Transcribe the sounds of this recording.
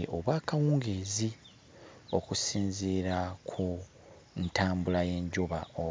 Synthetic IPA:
ʔoβwaːkawuːŋɡeːzi | o̞kusiːnziːɾakʰu | ntaːmbulaje̞ːɲɟoβa̰o

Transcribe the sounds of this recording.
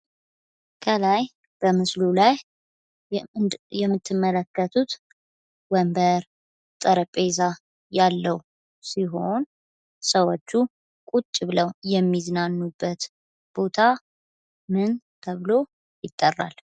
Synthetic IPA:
kʰəlaj | b̥əmɨslulaj | jɛmːɨt̪ʰːɨmːələkːət̪ʰut̪ | wəmbəɾ | t̪ʼəɾəpʼeza | jalːəw | siɦo̞n | səwot͡ʃːu | kʼut͡ʃʼːɪβɨləwjɛmːiznanːubːət̪ | b̥o̞t̪ʰa | mɨn | t̪ʰəβɨlo̞ | jɪt̪ʼːərːa̰l

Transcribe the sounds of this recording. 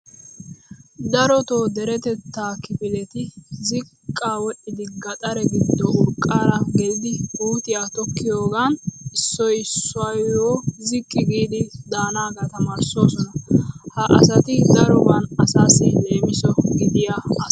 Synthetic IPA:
d̪ɐɾɔt̪o̞ːd̪ɛɾɛt̪ɛt̪ːaːkɪpɪlɛt̪ɪzɪ | kʼːaːwɛʔɪd̪ɪɡɐt̪ʼɐɾɛɡɪd̪ːɔʊɾkʼːaːɾɐɡɛlɪd̪ɪbuːt̪ʼɪjaːt̪ɔkːɪjo̞ːɡanɪsːɔjsːʊɐjwɔːzɪkʼːɪɡiːd̪ɪd̪aːnaːɡɐt̪ɐmaːɾso̞ːsɔnɐhɐʔɐ̰sɐt̪ɪd̪ɐɾɔbɐnɐsaːsɛle̞ːmɪsɔɡɪd̪ɪja

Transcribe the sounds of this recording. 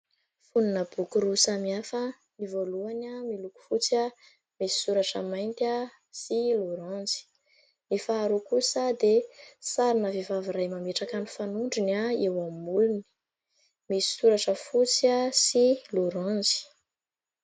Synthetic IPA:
funinəb̥ukuɾusamiafə | nivoluanamiluku̥fut͡sia | misi̥suɾaʈ͡ʂəmajnt̪a | siluɾãnzi̥ | mifaːɾukusəd̪esaɾinəvivaviɾajmameʈ͡ʂakanifanuɳɖ͡ʐinaewammuluni̥ | misi̥suɾaʈ͡ʂəfut͡siasiluɾãnzi̥

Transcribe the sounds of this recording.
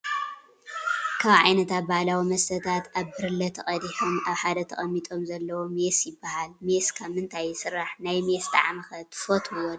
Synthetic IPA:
kʰaβʕajnɐt̪at̚bahalawimɐst̪ʰɐt̪ʰat̪ʔaβbɨɾɨlːɐt̪ʰɐχʼɐd̪iħomʔaβħad̪ɐt̪ʰɐχʼɐmːit̪ʼo̞mzɐlːɐwomesjɪbːahalmeskʰaβmɨnt̪ʰajːɪsɨɾːaħnajmest̪ʰa̰ʕmɐxɐt̪fot̪ʰwon

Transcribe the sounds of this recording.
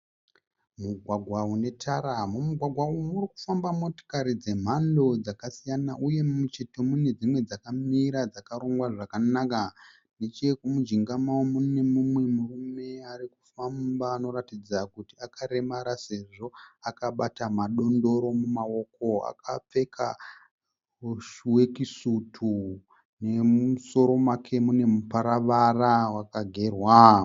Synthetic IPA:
muɡʱwaɡʱwaune̞tʰaɾamumuɡʱwaɡʱwaumuriku̥fambamo̞to̥kaɾid͡ze̞m̤ando̞d͡zakasijanaʔuje̞mut͡ʃitomune̞d͡zimwe̞d͡zakamiɾad͡zakaɾoŋɡwaʐakanaka | ne̞t͡ʃekumud͡ʒiŋɡamawomune̞mumwe̞murume̞aɾikufambaːno̞ɾatid͡zakutiakaɾe̞maɾase̞ʐo̞akaɓatamaɗo̞ndo̞ɾo̞mumao̞ko̞a̰kap͡fe̞kʰa | ʃuwe̞kisutʰu | ne̞muso̞ɾo̞makʰe̞mune̞mupaɾaʋarawakaɡʱe̞rwa

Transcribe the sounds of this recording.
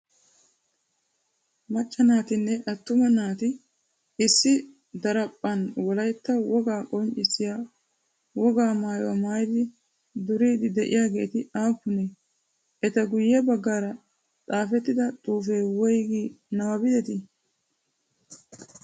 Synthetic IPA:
mɐt͡ʃʼːɐnaːt̪ɪnːɛʔɐt̪ːʊmɐnaːt̪ɪ | ɪsːɪ | d̪ɐɾɐpʼːɐnwɔlɐjt̪ːɐwɔɡaːkʼɔnt͡ʃʼːɪsɪja | wɔɡaːmaːjɐ̰maːjd̪ɪ | d̪ʊɾiːd̪ɪd̪ɛʔɪ̰jaːɡe̞ːt̪ɪaːpːʊnɛ | ʔɛt̪ɐɡʊjːɛbɐɡːaːɾɐ | t̪ʼaːfɛt̪ːɪd̪ɐt̪ʼuːfeːwɔjɡi | nɐwɐbɪd̪ɛt̪ɪ

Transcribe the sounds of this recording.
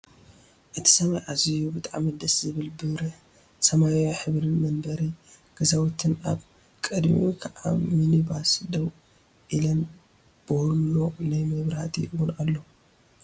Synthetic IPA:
ʔɨt̪ʰi̥sɐmajʕazijubɨt̪ʼaʕamɨd̪ɐszɨβɨlbɨβɾɨħ | sɐmajoħɨβɾɨnmɐnbɐɾiɡ̥ɐzawɔt̪ʰɨnaβ | kʼɨd̪mḭkʰʕa̰minibasd̪ɐw | ʔilɐn | b̥ɨhɾlonajmɐβɾhat̪ʰiɨwunalːo

